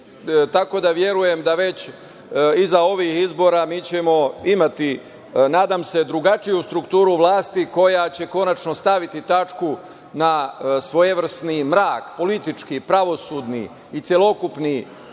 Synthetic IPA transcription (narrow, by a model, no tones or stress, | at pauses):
t̪ako̞d̪aʋje̞ɾuje̞md̪aʋe̞t͡ɕ | izao̞ʋihizbo̞ːɾamiːt͡ɕe̞mo̞imat̪i | naːd̪amse̞d̪ɾuɡat͡ʃijust̪ɾukt̪uːɾuʋlˠaːst̪iko̞jat͡ɕe̞ko̞nat͡ʃno̞st̪aʋit̪it̪at͡ʃku | nasʋo̞jeʋr̩snimɾaːkpo̞lit̪it͡ʃkipɾaʋo̞suːd̪nḭː | t̪sʲjelˠo̞kupni